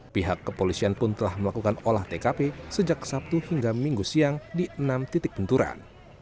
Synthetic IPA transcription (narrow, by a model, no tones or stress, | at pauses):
piɦakːəpolisianpʊnt̪əlahməlakukanolaht̪ekapesəd͡ʒakə̥sap̚t̪uhiŋɡamiŋɡusiaŋdiʔənamt̪it̪ɪk̚bənt̪uɾa̰n